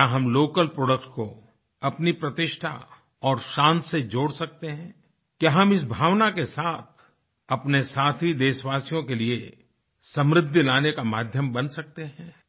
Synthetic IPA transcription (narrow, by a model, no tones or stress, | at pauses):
aɦɐmloːkəlpɾoːɖək̚ʈko | ɐpnipɾɐt̪ɪʃʈʰa̰ | ɔːɾʃãːnt̪ʰsed͡ʒoːɽsɐk̚t̪eɦɛ̃ː | kjaːɦɐmɪs̬bʱaːʋnakesaːt̪̚ʰ | ɐpnesaːt̪ʰid̪eːʃʋaːsijõkelie | sɐ̃mɾɪd̪ʱːlaːnekamaːd̪ʱjəmbɐnsɐk̚t̪eɦɛ̃ː